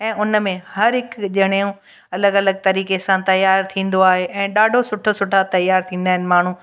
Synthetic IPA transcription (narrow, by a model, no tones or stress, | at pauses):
ɛ̃ːʊnmẽhɐɾɦɪkʄɐɽ̃eũ | ɐləɡɐləɡ̚t̪ɐɾiːkesãt̪ɐjaːɾt̪ʰĩːn̆d̪oaːɦeʔɛ̃ːɗaːɖʱosʊʈʰosʊʈʰat̪ɐjaːɾt̪ʰĩːn̆d̪aːɦɪnɪ̆maːɳ̤ũː